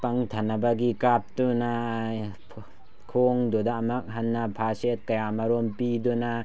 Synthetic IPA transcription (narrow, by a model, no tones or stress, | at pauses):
paŋtʰanabaɡikap̚tuna | kʰoŋdodaːmɐk̚ɦanːapʰaset̚kɐjamaɾompiduna